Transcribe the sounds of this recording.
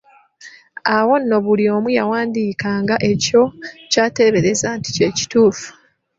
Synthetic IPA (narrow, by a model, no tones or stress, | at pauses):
awo̞nːo̞βulio̞ːmujawaːndiːkaːŋɡaʔe̞co̞caːte̞ːβe̞ɾe̞zaːnti̥ce̞ːci̥tuːfu̥